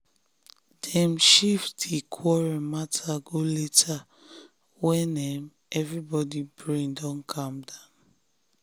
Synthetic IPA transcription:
d̥ɛ̃mʃiftdekʰwɔɹɛmatʰaɡoletʰa | wɛ̃nɛm | ɛvɹibɔdibɹĩndɔ̃nkʰãmdãn

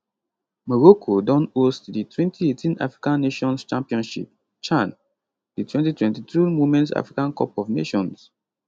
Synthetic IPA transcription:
mɔɹokʰodɔ̃nostditʰwɛ̃ntietʰĩna̰fɹikãnːeʃɔ̃nst͡ʃãmpiɔ̃nʃḭp̚ | t͡ʃãn | ditwɛ̃ntitwɛ̃ntitɹumomɛ̃ntsa̰fɹikãnkɔpɔvnḛʃɔ̃ns

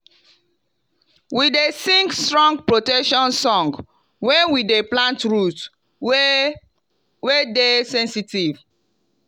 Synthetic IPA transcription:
widesĩŋkstɹɔ̃ŋɡpɹotɛkʃɔ̃nsɔ̃ŋɡ | wɛ̃nwideplãntɹut | wedesɛ̃nsitiv

